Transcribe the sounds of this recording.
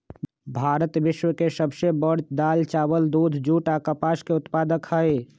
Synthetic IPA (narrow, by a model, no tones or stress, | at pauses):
bʱaːɾət̪ʋɪʃwəkesəbsebəɾt͡ʃd̪aːlt͡ʃaːwəld̪ud̪ʱd͡ʒuːʈakapaːskeʊt̪paːd̪əkhəe